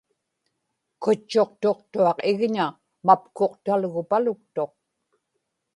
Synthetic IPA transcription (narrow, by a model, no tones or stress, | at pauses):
kʊt͡ʃːo̞qt̪o̞qt̪uɑqɪɣɲa | mapko̞qt̪alɣʊpalʊk̚t̪o̞q̚